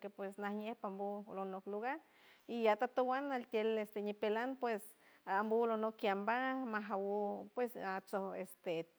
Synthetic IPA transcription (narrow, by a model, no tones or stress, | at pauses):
kepwesnahɲehpambulonokluɣaɾ | ijat̪at̪owanalt̪jelest̪eɲipelanpwes | ambulonokːjambamaɦawupwesat͡sohest̪e